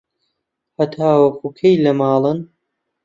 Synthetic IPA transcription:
hɐt̪ʰaːwɐkʰuːkʰejlɐmɑːlˠɨn

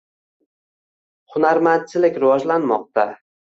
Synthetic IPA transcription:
hʊnaɾman̚t͡ʃʰːɪlɪkʲɾɪvɒd͡ʒlanmɒ̰q̚t̪a

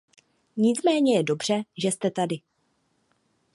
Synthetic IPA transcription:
ɲɪt͡smɛːɲɛjɛdo̞br̝̥ɛʒɛst̪ɛt̪adɪ

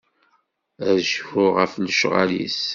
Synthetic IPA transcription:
æʒhʊʁəfləʃʁa̰lḭs

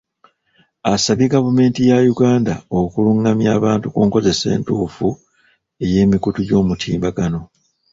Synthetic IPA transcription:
asaβiɡavume̞ːntijajuɡaːndaokuluŋːamjaːβaːntukuːŋko̞ze̞se̞̰ːntuːfu | e̞je̞ːmikutuɟo̞ːmutʰiːmbaɡano̞

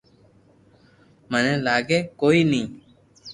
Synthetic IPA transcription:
mənẽːlaːɡeːkoːiːnĩː

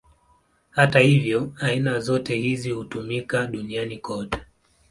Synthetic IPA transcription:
hatahivjɔainazɔtɛhizihutumikaɗunianikʰɔtɛ̥

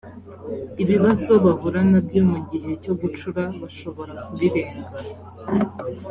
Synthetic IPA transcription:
iβiβazo̞βavuɾanabɟo̞muɟihe̞co̞ɡut͡ʃuɾaβaʃo̞βo̞ɾakuβiɾe̞ːŋɡa

